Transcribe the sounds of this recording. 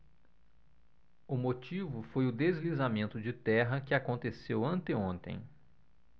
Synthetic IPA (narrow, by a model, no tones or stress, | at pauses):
ʊmot͡ʃivʊfojʊd̪ezlizamẽnt̪ʊd͡ʒɪt̪ɛɦɐkɪakõnt̪esewɐ̃nt̪ɪõnt̪ḛ̃j̃